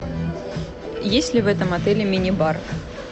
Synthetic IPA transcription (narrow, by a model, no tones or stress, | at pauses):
jesʲlʲɪvɛt̪əmɐt̪ɛlʲɪmʲɪnʲɪbar